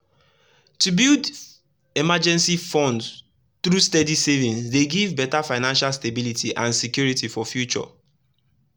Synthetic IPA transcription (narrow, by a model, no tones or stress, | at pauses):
tubild | emad͡ʒɛ̃nsifɔ̃nd | t̪ɹustedisevĩnsdeɡivbɛtafaɪnãnʃalstebilitʰiʔãnsekjuɹitifɔfjut͡ʃɔ̰